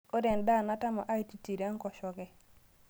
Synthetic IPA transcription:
o˦dɛ˨nda˦˨na˦ta˦ma˨ʔa˦jti˨ti˨ɾa˦ŋkɔ˨ʃɔ˨ɡɛ˦

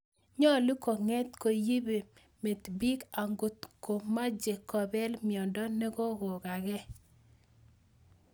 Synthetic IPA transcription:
ɲɔ˦lu˦kɔ˨ŋɛ˦t̪ko˨ji˦be˨ | me˨t̪bi˦ka˨ŋɡo˨t̪ko˨ma˦d͡ʒe˨kɔ˨bɛ˦lmɪ˨ɔ˨ndɔ˦ne˦ɡo˦ɡo˨ka˨ɡɛ˦

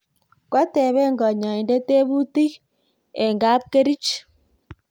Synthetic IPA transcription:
kwa˦te˨βe˦ŋɡa˨ɲa˨i˨nde˦te˦βu˦ti˦ɣ | e˨ŋɡa˦p̚ke˦ɾi˦t͡ʃ

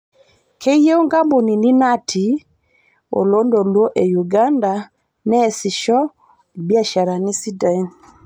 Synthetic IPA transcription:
kʰɛ˦i˦je˦o˦ŋɡa˦mbo˨ni˨ni˦na˦tʰi˨ | o̰˨lo˦ndɔ˨lwo˦ʔe˨ju˨ɡa˦nda˨ | nɛ˦˨si˨ʃɔ˦˨ | bja˦ʃa˨ɾa˨ni˦si˦da˨i˦n

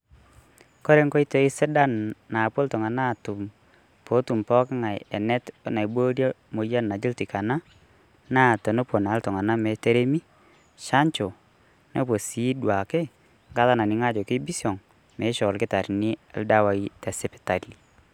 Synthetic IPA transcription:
kɔ˦ɾe˦ŋkɔ˦i˦tɔ˦ɪ˦sɛ˦da˦nːa˨po˦ltɔ˨ŋa˨na˦˨tu˨m | po˨˦tu˨mpɔ˦kɪ˦ŋa˨jɛ̰˨nɛ˦tna˨jbo˦ɾja˦mo˨ja˦nːa˨d͡ʒi˦lti˨ka˨na˦ | na˦˨to˨no˦po˨na˨˦ltɔ˨ŋa˨na˦mɛ˨te˦ɾe˦mi˦ | ʃa˦ɲt͡ʃɔ˨ | no˦p̬o˨si˨˦dwa˨ke˦ | ŋɡa˦ða˦na˨nɪ˨˦ŋa˦d͡ʒɔ˨kɪ˦bi˦sɔ˨ŋ | mɛ˨˦ʃɔ˨lkɪ˦ta˨ɾnɪ˦ɛ̰˨lda˦wa˨i˦tɛ˨sɪ˦pɪ̥˨ta˨li˨

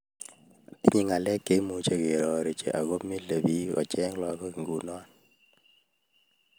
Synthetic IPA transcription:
i˦ɲi˦ŋa˨lɛ˦kːe˨˦mu˨t͡ʃe˨ke˨ɾɔ˨ɾe˨t͡ʃḛ˨ʔa˨ɣo˦mi˦le˨bi˦ɔ̰˨t͡ʃɛ˦ŋla˨kɔ˦ki˨ŋɡu˨nɔ˦n

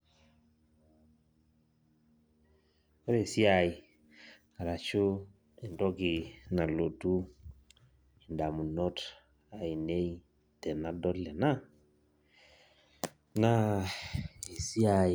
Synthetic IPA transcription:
ɔ˦ɾe˨si˦a˨i˨ | a˨ɾa˨t͡ʃo˦ | ɛ˨ndɔ˦ɡɪ˨na˨lo˨tu˦ | i˨nda˨mu˨nɔ˦t | a˨i˨ne˦i˦ | tɛ˨na˦dɔ˦tlɛ˨na˦ | na˦ | e˨si˦a˨

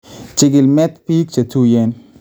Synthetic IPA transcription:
t͡ʃɪ˨ɡɪ˨lmɛ˦t̪pi˦k̚t͡ʃɐ˨tu˦jɛ˦n

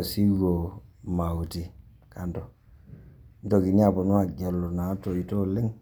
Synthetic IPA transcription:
si˦ɡo˨ma˨wu˨ti˨ | ka˨ndo˨ | n˦to˨ki˨ɲ˦a˦˨bo˨nu˦a˨ɟa˨lːo˨na˨˦to˨i˨to˦li˦ŋ

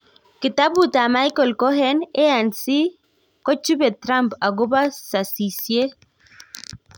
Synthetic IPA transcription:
kɪ˨ta˦bu˨ta˨ma˦jkɔ˨lkɔ˦ɦɛ˦ne˦a˨nsi˦ | kɔ˦t͡ʃu˦bɛ˨tɾa˦mpa˨ɡʊ˦ba˦sa˨si˨sje˦

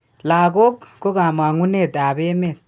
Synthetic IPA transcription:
laː˨ko˦kːo˦ka˨ma˨ŋu˦ne˦˨ta˨be˦me˦˨t̚

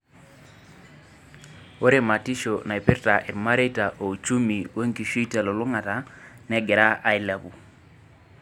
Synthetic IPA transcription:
o˦ɾe˦˨ma˨ti˦ʃo˨na˨i˨pɪ˦ɾta˨ʔɛ˨ɾma˦ɾe˦ta˨ʔo˨t͡ʃu˦mi˨we˦ŋki˨ʃi˦ta˨lɔ˨lʊ˦ŋa˨ta˨nɛ˦ɡɛ˨ɾa˦ʔa˨˦ɪ˦la˨bu˨

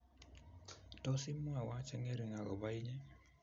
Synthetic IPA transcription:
tɔ˦sɪ˦mwa˨wa˦t͡ʃɛ˦ŋɛ˦ɾi˨ŋa˨ɣɔ̰˨ba˦i˦ɲɛ˦

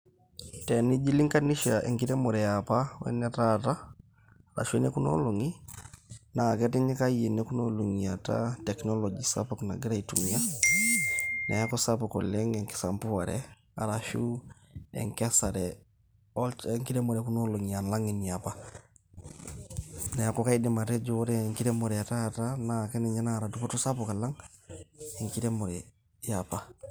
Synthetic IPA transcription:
tɛ˨ni˦d͡ʒi˦li˦ŋka˦ni˦ʃa˨ʔḛ˨ŋki˦ɾe˦mo˨ɾɛ˨ja˨pawɛ̰˦nɛ˦tata˦ | ɾa̰˨ʃu˦ɛ˦ne˦ku˦no̰˦lo˨ŋi˦ | na˨kɛtɛ˦ɲɛ˦ka˦ie˨ne˦ku˦no˦lo˨ŋiata̰tɛknolɔ˨d͡ʒisa̰˦pokna̰˨ɡɾa˦itu˨mia˦ | na̰˨ja˦kɔ˦sapɔkɔ̰˨lɛ˦ŋɛ˨ŋki̥˨sa˨mpu˦a˨ɾɛ̰ | a̰˨ɾa˨ʃu˦ḛ˨ŋke˦sa˨ɾe | o˦le˨ŋki˦ɾe˦mo˨ɾe˨ku˦no˦lo˨ɲi˨ja˨nla˦ŋi˨ni˨ja˨pa˦ | na˨ja˨ko˦ka˦i˦de˨ma˨te˦d͡ʒo˦ɾe˦ŋki˦ɾe˦mo˨ɾe˨ja˨ta˦ja˨ta˦na˨ke˦ne˨ɲa˦na˦˨ɾa˨du˨po˦to˦sa˦po˨ka˨la˦ŋ | e˨ŋki˦ɾe˦mo˨ɾe˨ | japa˨

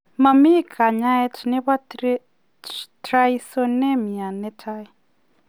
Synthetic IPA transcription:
ma˨mi˦kʰa˨ɲa˦ɛ˦tʰi˨nɛ˦βa˦ | tɾaisɔnɛ˦mi˨a˨nɛ˦tʰai˨

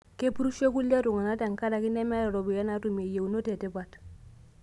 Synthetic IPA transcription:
ke˦pu˦ɾu˦ʃo˦ku˦lːa˦tu˨ŋa˨na˦ta˨ŋ˨ka˦da˨kɪ˦nɛ˦mɛ˦ɾa˨ɾɔ˨bi˨ja˦na˦tu˨me˨je˨u˨no˦te˨tɛ˦ba˨t

